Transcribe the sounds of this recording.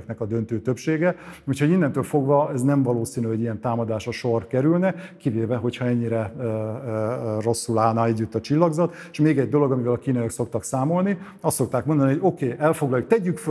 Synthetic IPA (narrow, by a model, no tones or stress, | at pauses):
knɛkɒd̪ønt̪øːt̪øpʃeːɡɛuchoɟind̪ɛnt̪øːlfo̞ɡvɒɛznɛɱvɒloːsiːnyɛɟijɛnt̪aːmɒd̪aːʃɒʃorkɛɾylnɛkiveːvɛɦo̞cʰhɒɛɲːiɾɛ | ro̞sːulaːlnɒɛɟːyt̪ːɒt͡ʃilːɒɡzɒt̪ | ʃmeːɡɛɟd̪o̞lo̞ɡɒmivɛlɒkiːnɒjɒkso̞k̚t̪ɒksaːmo̞lni | ɒst̪so̞k̚t̪aːkmod̪ɒniɦoɟo̞keːʔɛlfo̞ɡlɒjuk̚t̪ɛɟːykfø